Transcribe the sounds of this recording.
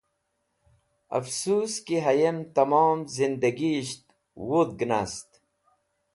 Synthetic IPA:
ɐ̰fsuːskiɦɐjemt̪ɐmɑːmzind̪ɐɡiɕt̪ | wud̪̚ɡnast̪

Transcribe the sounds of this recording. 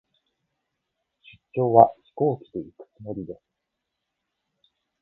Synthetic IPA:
ɕɨ̥tt͡ɕːo̞ːβaçi̥ko̞ːkʲi̥d̪e̞ikɯ̥t͡sɨmo̞ɾʲid̪e̞sɨ̥

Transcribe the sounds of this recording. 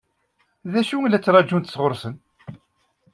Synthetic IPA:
ðæʃuŋlːæt͡sːɾˤɑd͡ʒːunt̪sʁʊɾˤsən

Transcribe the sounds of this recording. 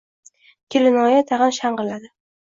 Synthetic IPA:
kʲʰɪlɪnɒjat̪ʰaʁɨnʃaɴqɨlad̪ɪ

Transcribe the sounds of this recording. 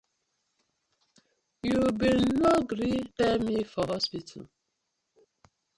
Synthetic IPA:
jubilnɔɡɾidɛmifɔhɔspitʰa̰l

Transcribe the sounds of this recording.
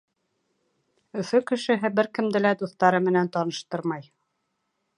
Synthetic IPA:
ɵ̆fɵkɘ̆ʃɘ̆ɦɘbɘɾkɘ̆md̪ɘ̆læd̪uθt̪ɑɾɤmɘ̆nænt̪ɑnɤ̆ʃt̪ɤɾmɑj

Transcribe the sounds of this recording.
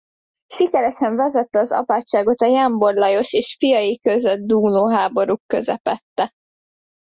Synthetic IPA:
ʃikɛɾɛʃɛɱvɛzɛt̪ːɛɒzɒ̰paːt͡ʃːaːɡo̞t̪ɒjambo̞rlɒjo̞ʃeːʃfijɒjikøzød̪̚d̪uːloːɦaːbo̞ɾukːøzɛpɛt̪ːɛ

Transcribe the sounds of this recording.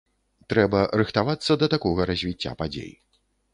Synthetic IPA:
t̪ɾɛbɐɾɨxt̪avat̪sːɐd̪ɐt̪akɔɣɐɾɐzʲvʲit͡sʲːa̰pad͡zʲḛj

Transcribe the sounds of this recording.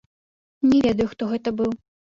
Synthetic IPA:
nʲɛvʲɛd̪ɐjuxt̪ɔɣɛt̪ɐbɨw

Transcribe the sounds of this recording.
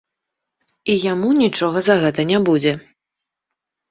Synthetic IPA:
ijamunʲit͡ʂɔɣɐzɐɣɛt̪ɐnʲabud͡zʲɛ

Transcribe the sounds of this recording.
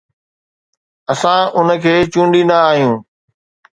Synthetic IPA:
ɐsãʊnəkʰeːt͡ɕũːɳɖĩnd̪aːɦijũː

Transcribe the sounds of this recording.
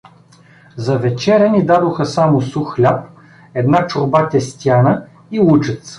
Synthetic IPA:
zɐvɛt͡ʃɛɾʲənid̪ad̪oxəsamʊsuxlʲap | ɛd̪nat͡ʃʊɾbat̪ʲɛst̪ʲjanə | iut͡ʃɛt̪s

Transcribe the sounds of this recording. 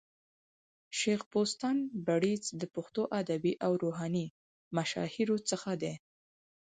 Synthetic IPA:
ʃexpost̪ɑnbaɽit͡sd̪əpʊxt̪oʔad̪abiʔawɾoɦɑni | maʃɑ̰hiɾot͡səxad̪e

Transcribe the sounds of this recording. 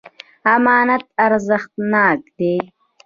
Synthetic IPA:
amaːnɐt̪ɐɾzəxt̪naːk̚d̪̥e

